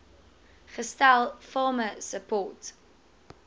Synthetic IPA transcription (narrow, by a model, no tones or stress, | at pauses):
χəstælˠfɑːməsəpɔːt